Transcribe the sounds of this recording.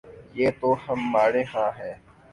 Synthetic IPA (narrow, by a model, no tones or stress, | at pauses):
jeːt̪oːhəmːaːɽẽːɦãːɦɛː